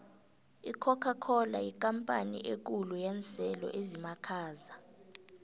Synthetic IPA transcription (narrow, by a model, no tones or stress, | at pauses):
ikʰɔkʰakʰɔlaikʼampʼanḭʔek̬ʼulujɛnt͡sʼɛlɔ̰ʔezimakʰaːza